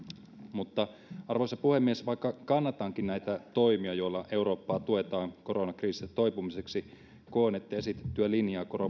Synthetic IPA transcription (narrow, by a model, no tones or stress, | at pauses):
mut̪ːɑ | ɑrʋosɑpuhemːiesʋɑikːɑkɑnːɑt̪ɑːŋkinnæjt̪æt̪o̞jmiɑjo̞ilːɑʔe̞uɾo̞ːpːɑːt̪ue̞t̪ɑːŋko̞ɾonɑkriːsiet̪o̞jpumiseksi | koːnet̪ːejesit̪e̥t̪ːyælinjɑːko̞ro